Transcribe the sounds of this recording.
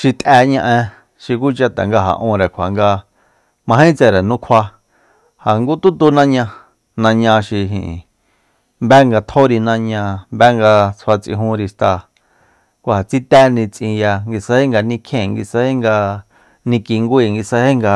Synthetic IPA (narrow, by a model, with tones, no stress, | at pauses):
ʃi˧t̪ʼʔæ˧ɲã˧ʔẽ˧ | ʃi˧k̬u˦t͡ʃa˧t̪a̰˨ŋɡa˧ɦa̰˨ʔũ˧ɾe˨kʷʰa̰˨ŋɡa˧ | mã˧ɦĩ˦t͡se˨ɾe˨nũ˦kʰa˧ | ha˨ŋɡu˦t̪u˦t̪u˧nã˦ɲã˧ | nã˧ɲã˧ʃi˧ɦḭ̃˨ | mbɛ˦ŋɡa˧t̪ʰo˦ɾi˧nã˧ɲã˧mbɛ˦ŋɡa˧t͡sʰwa˧t͡sḭ̃˧ɦũ˧˦ɾi˧ʂt̪a˧˨ | kʷa˧a˨t͡si˦t̪æ˦nĩ˧t͡sʔĩ˧ja˧ŋɡi˧sa˧he˦ŋɡa˧nĩ˧kʰẽ˧˨ŋɡi˧se˧he˦ŋɡa˧ | nĩ˧ki˧ŋɡʷiː˧˨ŋɡi˧se˧he˦ŋɡa˧